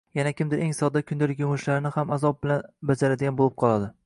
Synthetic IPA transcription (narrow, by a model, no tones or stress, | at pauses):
janakʲɪmd̪ɪɾʔe̞ŋsɒd̪akʲʰʊnd̪ɪɾɪkʲʊmʊʃlaɾnɪhamazɒp̚bɪlanbad͡ʒaɾad̪ɪɡʲanbolˠɪp̚qʰɒlˠad̪ɪ